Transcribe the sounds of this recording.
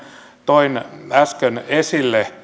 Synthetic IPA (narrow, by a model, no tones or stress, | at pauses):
t̪oinæskønesilːe